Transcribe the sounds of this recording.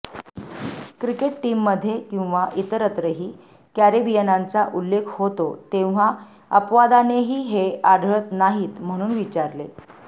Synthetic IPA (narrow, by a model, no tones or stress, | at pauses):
kɾikeʈʈimːəd̪ʱːjekĩw̃ʋaʔit̪əɾət̪ɾəɦiː | kæɾibijənant͡saʔulːekʰhot̪ot̪ẽʋ̤a | əpʋad̪aneɦiːɦeaɽʱɭət̪naɦiːt̪m̤əɽ̃uːnʋit͡ɕaɾlḛ